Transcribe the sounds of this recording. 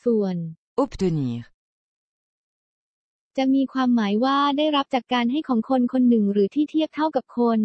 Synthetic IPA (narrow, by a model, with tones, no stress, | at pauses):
su˨˩ən | ʔu˦˥pd̪u˧niː˨˦ | t͡ɕa˨˩miː˧kʰwaː˧mːaː˩˦jwaː˥˩daː˥˩jɾa˦˥p̚t͡ɕaː˨˩kːaː˧nɦa˥˩jkʰɔː˩˦ŋkʰo˧nkʰo˧nːɯ˨˩ŋɾɯː˩˦t̪ʰiː˥˩t̪ʰi˥˩əp̚t̪ʰa˥˩wka˨˩p̚kʰo˧n